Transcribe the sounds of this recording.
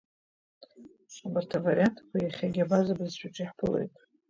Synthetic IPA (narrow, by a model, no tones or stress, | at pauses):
abɨrtʰavarijantʰkʷajaχʲaɡʲabazabɨzʃʷᶣaʈ͡ʂʼiħpʰɨlḛjtʼ